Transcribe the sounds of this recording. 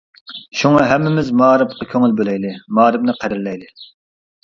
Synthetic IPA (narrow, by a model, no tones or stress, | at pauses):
ʃuŋɑɦɛmːɪmɪzmɑːɾɨpqɑkʲʰøŋɪlbølɛjd̪ɪmɑːɾɨp̚nɨqʰæɾɪɾlɛjd̪ɪ